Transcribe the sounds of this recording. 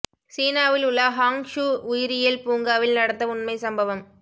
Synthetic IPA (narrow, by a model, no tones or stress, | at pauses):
siːnaːʋɪlʊɭːɐɦaːŋʂuʊjɪɾɪjɪlpuːŋɡaːʋɪlnɐɽɐt̪ːɐʊɳmɐɪsɐmbɐʋɐm